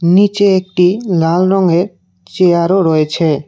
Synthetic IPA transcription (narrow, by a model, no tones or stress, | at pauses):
nit͡ɕeek̚ʈilalɾɔŋeɾ | t͡ɕeaɾoɾɔet͡ɕʰe